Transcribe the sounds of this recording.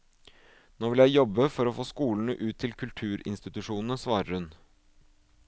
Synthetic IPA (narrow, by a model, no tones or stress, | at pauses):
noːʋɪljæɪjɔbəfɔɾɔːfoːskuːln̩əʔʉːt̪ʰːɪlkʰʉlt̪ʰʉːɾɪ̰nst̪ɪt̪ʉʂuːnn̩əsʋɑːɾəɾhʉn